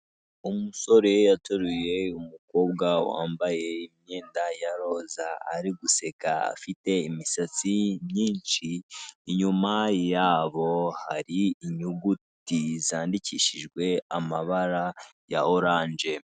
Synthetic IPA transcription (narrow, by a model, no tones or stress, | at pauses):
umuso̞ɾe̞jatoɾuje̞umuko̞ːbɡawa̰ːmbaje̞imɲe̞ːndajaɾo̞za̰ːɾiɡuse̞kaa̰fite̞imisat͡simɲiːnʃiːɲumajaːβo̞haɾiːɲuɡutizaːndiciʃiʒɡwe̞amaβaɾa | ja̰oɾaːnd͡ʒe̞